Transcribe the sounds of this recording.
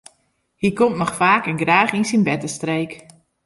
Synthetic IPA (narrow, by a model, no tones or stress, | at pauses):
hikɔmtnɔxfaːkənɡraːχinsinbɛtəstreːk